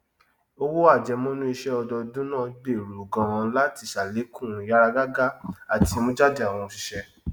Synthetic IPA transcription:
o˦wo˦a˦˨d͡ʒɛ˧mõ˦nũ˦i˧ʃɛ˦ɔ˧dɔ˧dũ˦nãː˦˨ɡ͡be˦˨ɾu˨o˨ɡã˧ã˧la˦ti˧˦˨ʃa˨le˨˦kũ˦˨˦a˦ɾa˧ɡa˦ɡa˦a˦˨ti˨˧˦mõ˦d͡ʒa˦di˦˨a˨w̃ɔ̃˧õ˧ʃi˧ʃɛ˧

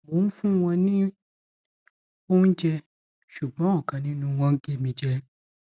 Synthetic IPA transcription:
o˨˦fũ˦w̃ɔ̃˧nĩ˦ | o˦n̩˦d͡ʒɛ˧ | ʃu˨ɡ͡bɔ̃˨˦ɔ˦˨kã˨nĩ˨˦nũ˧w̃ɔ̃˧˦ɡe˦˨mĩ˧d͡ʒɛ˧

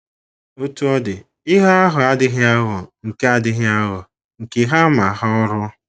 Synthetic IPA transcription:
o˦tu˦ɔ˦dɪ˨ | ɪ˦ɦa˦a˦ɦʊ˨a˦dɪ˦ɣɪ˦a˦ɣʊ˨ŋ̩˨ke˦a˦dɪ˦ɣɪ˦a˦ɣʊ˨ | ŋ̩˨ke˨ɦa˦ma˨˦ɦɔ˦ɔ˦ɾʊ˦

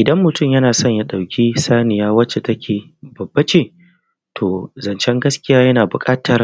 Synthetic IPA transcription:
ʔɪ˨dɐ˦mːʊ˨tʊ˦˨mjɐ˦naː˨sɔ˦˨ɲja˦ɗa˨wkʲʰiː˦saː˦nɪ˨jaː˦wɐ˦t͡ʃːe˨tɐ˦kʲʰeː˨ | bɐ˨bːɐ˦t͡ʃeː˦˨ | tʰoː˨zɐ˨nt͡ʃɛ˦ŋɡɐ˦skʲɪ˦jaː˦jɐ˦naː˨bʊ˨kʼaː˦tʰɐ˦r

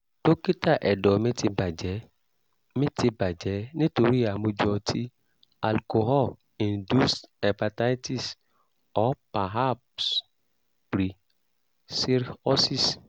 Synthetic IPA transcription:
to˦ki˦ta˦˨ʔɛ˨dɔ˨˦mĩ˦ti˧ba˨d͡ʒɛ˨˦ | mĩ˦ti˧ba˨d͡ʒɛ˨˦nĩ˦to˧ɾi˦a˨mõ˧d͡ʒɔ˧tʰi˦ | a˨lko˧ɦɔ˦˨ | ĩ˨ndu˦sɛ˨pa˨ta˦ti˦˨s | ɔ˨˦pa˨ɦa˦˨ps | pɾi˨ | si˦ɾɔ˦si˦˨s

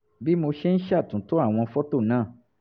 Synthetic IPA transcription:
bi˦mo˧ʃe˦n̩˦ʃa˦˨tũ˨to˨˦a˦˨w̃ɔ̃˧fɔ˦to˦˨nãː˦˨

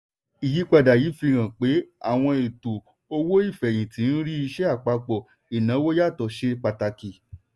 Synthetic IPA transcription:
i˨ji˨˦k͡pa˧˨da˨ji˨˦fi˧ɾ̃ã˨k͡pe˨˦a̰˦˨w̃ɔ̃˧e˨to˨ | o˧wo˦i˦˨fɛ˨j̃ĩ˨tĩ˨˦n̩˦ɾi˦i˧ʃɛ˦a˦˨k͡pa˧k͡pɔ˨ | i˨nã˨˦wo˦ja˦˨tɔ˨˦ʃe˧k͡pa˨ta˧ki˨

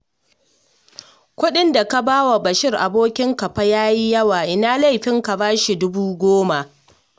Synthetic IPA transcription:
kʷʊ˦ɗɪ˦nda˨ka˦baː˦wa˨bɐ˨ʃɪ˦rʔa̰˨boː˦kʲɪ˦ŋkɐ˨ɸa˦jaː˦ji˦jɐ˦waː˨ʔɪ˦naː˦la˦jɸɪ˦ŋka˨baː˦ʃi˨dʊ˦buː˦ɡʷoː˦ma˨ʔ

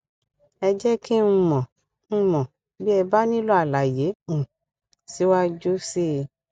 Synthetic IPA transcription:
ɛ˧d͡ʒɛ˦ki˦nũ˧mɔ̃˨ | ñ̩˦mɔ̃˨ | bi˦ɛ˧ba˦nĩ˦lo˦a˦˨la˨je˨˦ũ˨ | si˨˦wa˦d͡ʒo˦si˦˧

